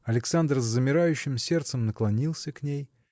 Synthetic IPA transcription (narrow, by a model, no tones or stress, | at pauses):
ɐlʲɪksand̪rzːəmʲɪɾajʉɕːɪmsʲe̞rt̪səmnəklˠɐnʲilˠsʲəknʲej